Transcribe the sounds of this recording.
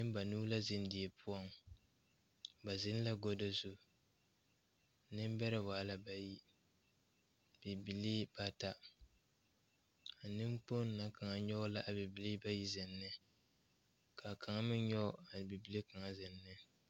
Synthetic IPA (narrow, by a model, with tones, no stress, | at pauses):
nɨ˦ba˨nuː˦la˦zɪ˦n˦di˨e˨pʰʊ˦ɔ˦ŋ | ba˨zɪ˦n˦la˦ɡo˦do˦zu˦˨˦ | nɨ˦m˦bɛ˦ɾɪ˦˨waː˨˦la˦ba˨ji˦ | b̥i˨bi˨li˦ba˦ta˦ | a˨nɨ˦mk͡po˦nː˦˨a˨ka˨ŋa˨ɲɔ˦la˦ʔa˨bi˨bi˨li˦ba˦ji˦zɪ˨nːɨ˦ | ka˨kʰa˨ŋa˦mɪ˦nɲɔ˦a˨n˨bi˨bi˨li˦ka˨ŋa˦zɪ˨nːɨ˦